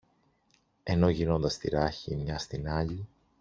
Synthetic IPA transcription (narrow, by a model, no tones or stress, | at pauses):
eno̞ʝino̞nd̪ɐst̪iɾɐçimɲɐst̪inɐʎi